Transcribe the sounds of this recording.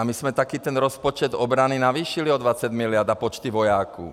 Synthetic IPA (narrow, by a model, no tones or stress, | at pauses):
amiz̥mɛt̪akiːt̪ɛnɾɔspɔt͡ʃɛd̪ɔbɾaninaʋiːʃiliɔd̪ʋat͡saɟmilɪad̪apɔt͡ʃt̪iʋɔjaːkṵ